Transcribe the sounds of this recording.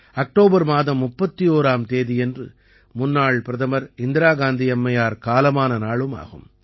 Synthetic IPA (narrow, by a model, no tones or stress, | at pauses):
ɐk̚ʈoːbɐɾmaːðɐmːʊpːɐt̪ːijoːɾaːmt̪eːðɪjɛndrɯ̰ | mʊnːaːɭpɪɾɐðɐmɐɾɪnd̪ɪɾaːɡaːnd̪iɐmːɐjaːɾkaːlɐmaːnɐnaːɭɯma̰ːɣɯ̰m